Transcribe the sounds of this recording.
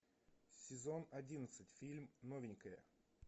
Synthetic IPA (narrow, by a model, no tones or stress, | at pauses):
sʲɪzo̞nɐdʲinət̪sɨtʲfʲilʲmnovʲɪnʲkəjə̰